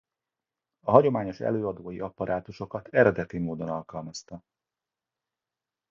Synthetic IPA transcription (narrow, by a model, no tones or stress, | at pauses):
ɒɦɒɟo̞maːɲo̞ʃɛ̰løːɒd̪oːjiʔɒpɒɾʔaːt̪uʃo̞kɒt̪ɛɾɛd̪ɛt̪imoːd̪o̞nɒlkɒlmɒst̪ɒ